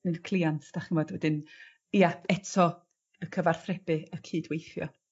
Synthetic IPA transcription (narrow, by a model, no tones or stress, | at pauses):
nɨnkʰlˠiantʰd̥aχinvɔːdwɛdɨn | ijaɛtʰɔ | əkʰəvar̥θrɛbɨəkʰiːdwejθjɔ̰